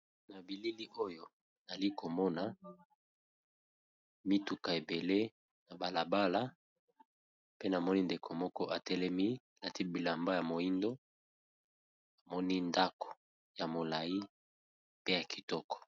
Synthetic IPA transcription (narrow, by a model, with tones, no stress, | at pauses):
na˨bi˨li˦li˦ʔo˦jo˨ | na˨li˦ko˨mɔ˦na˨ | mi˦tu˨ka˨e˨be˨le˦ | na˨ba˨la˨ba˦la˦ | pe˦na˨mɔ˦ni˦nde˨kʰo˨mɔ˦kɔ˦ʔa˨tɛ˦lɛ˦mi˦˨na˨ti˦bi˨la˨mba˦ja˨mo˨ji˦ndo˦ | a˨mɔ˦ni˦nda˦ko̥˨ | ja˨mo˨la˨ji˦ | pe˦ja˨ki̥˨tɔ˦kɔ̥˨